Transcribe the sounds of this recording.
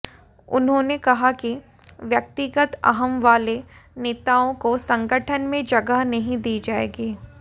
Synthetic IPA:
ʊ̰nɦõnekɐɦaki | ʋjɐk̚t̪ɪɡət̪ɐ̰ɦəmʋaːleneːt̪aːõkosɐ̃ŋɡəʈʰənmẽd͡ʒɐɡəɦnɐɦĩd̪iːd͡ʒaːḛːɡiː

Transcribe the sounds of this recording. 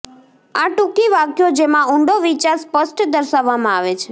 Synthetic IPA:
aʈũkiʋakjod͡ʒemãʊɳɖoʋit͡ʃaɾspəsʈd̪əɾʃaʋːamãaʋet͡ʃʰe

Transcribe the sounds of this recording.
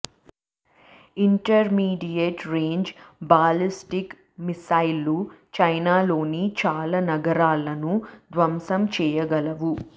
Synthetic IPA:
iɳʈɐɾmiːɖijeʈɾeːɲd͡ʒbaːlisʈik | misɐjlːut͡ʃɐjnaːlo̞ːnit͡ʃaːlɐnɐɡɐɾaːlɐnud̪ʋɐmsɐmt͡ʃɛːjɐɡɐlɐʋu

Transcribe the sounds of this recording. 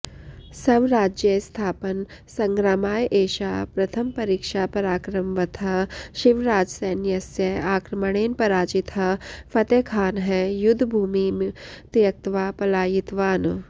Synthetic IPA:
sɐʋɾaːd͡ʒjəst̪ʰaːpənsɐ̃ŋɡɾaːmaːjʔeːʃaːpɾɐt̪ʰəmpɐɾiːkʃaːpɐɾaːkɾɐmʋɐt̪ʰɦɐʃiʋɾaːd͡ʒseːnjɐsjɐaːkɾɐmɐɽ̃eːnpɐɾaːd͡ʒɪt̪ɦɐfʰɐt̪eːkʰaːnɦɛjʊd̪ʱːbʱuːmimt̪jɐk̚t̪ʋaːpɐlaːjit̪ʋaːn

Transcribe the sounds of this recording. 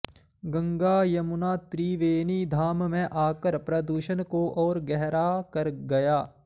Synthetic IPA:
ɡɐ̃ŋɡaːjɐmʊnaːt̪ɾiːʋeːniːd̪ʱaːmmẽʔaːkəɾpɾɐd̪uːʃənkoʔɔːɾɡɛɦɾaːkɐɾɡɐjaː

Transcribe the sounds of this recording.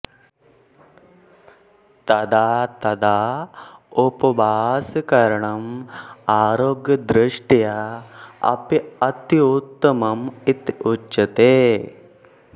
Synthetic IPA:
t̪ɐd̪aːt̪ɐd̪aː | upɐbʱaːskɐɾɐɳɐmaːɾoːɡjɐd̪ɾɪʂʈja | ɐ̰piɐt̪jut̪ːɐmɐmit̪uɐt̪eː

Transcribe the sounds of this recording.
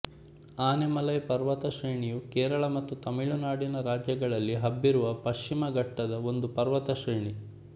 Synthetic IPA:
aːnemɐlɐjpɐɾʋɐt̪ɐʃɾeːɳijukeːɾɐɭɐmɐt̪ːut̪ɐmiɭunaːɽinɐɾaːd͡ʒjɐɡɐɭɐlːiɦɐbːiɾuʋɐpɐʃt͡ʃimɐɡɐʈːɐd̪ɐo̞nd̪upɐɾʋɐt̪ɐʃɾeːɳi

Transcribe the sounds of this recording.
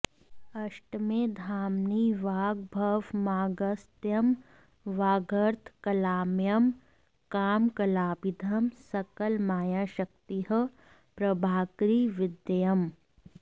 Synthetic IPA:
ɐʃʈmeːd̪ʱaːmniʋaːɡ̚bʱɐʋmaːɡɐst̪jɐm | ʋaːɡɐɾt̪ʰkɐlaːmjɐm | kaːmkɐlaːbid̪ʱɐmsɐkəlmaːjaːʃɐk̚t̪iɦə̆ | pɾɐbʱaːkɾiːʋɪd̪jɐm

